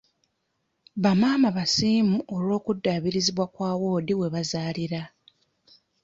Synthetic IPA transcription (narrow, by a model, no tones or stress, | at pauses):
βamaːmaβasiːmuʔo̞lwo̞ːkudːaːβiɾiziβwakwaːwo̞ːdiwe̞βazaːliɾa